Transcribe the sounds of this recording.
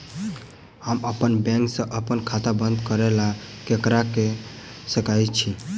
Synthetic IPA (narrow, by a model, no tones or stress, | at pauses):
haməpənbɛ̃ŋksə̃ʔəpənkʰat̪abə̃nd̪kəɾɛla | kekɾake | səkajt͡ʃʰi